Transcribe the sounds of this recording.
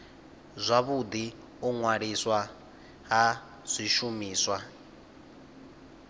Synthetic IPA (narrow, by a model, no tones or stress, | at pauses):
zʷaβud̪i | uŋwaɺiswa | ɦa | z̥ʷiʃumiːswa